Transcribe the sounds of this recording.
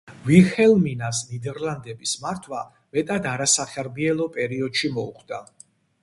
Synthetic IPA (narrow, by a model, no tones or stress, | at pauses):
viχɛlˠminasnid̪ɛɾland̪ɛbismaɾt̪ʰwa | mɛt̪ʼad̪aɾasaχɛɾbiɛlˠɔpʼɛɾiɔd̪ʃimɔṵχʰd̪̥a